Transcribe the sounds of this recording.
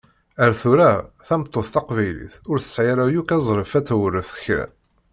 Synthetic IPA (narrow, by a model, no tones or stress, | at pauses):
æɾθuɾæ | θæmt̪ˤːoθθɑqvæjlḭθʊɾθə̥sʕɪɾæjukæzˤɾˤəfæt͡sːæwərːəθə̥çɾæ̰n